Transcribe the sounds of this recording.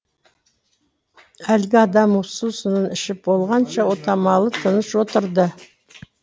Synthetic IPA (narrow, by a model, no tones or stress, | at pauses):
ælɡʲɪɑd̪ɑmusuzsənənɪʃɪp̚bo̞lˠʁɑnʃɑwo̞t̪ɑmɑlˠət̪ʰənəʃwo̞t̪əɾd̪ə